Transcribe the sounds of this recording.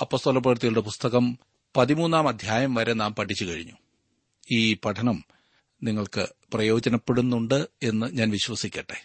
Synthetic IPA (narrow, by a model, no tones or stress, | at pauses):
ɐpːo̞ːst̪oːlɐp̬ːɐʋɐrt̪ːijiɭɽe̞pust̪ɐɣɐm | pɐðimuːnːaːmɐd̪ʱjaːjɐmʋɐɾenaːmpɐʈʰːit͡ɕːukɐɻḭɲːu | iːpɐʈʰɐnɐm | niŋːɐɭkɨprɐjo̞ːd͡ʑɐnɐpːe̞ɽunːuɳɖɨe̞nːɨɲaːnʋiɕʋɐsikʲːɐʈːe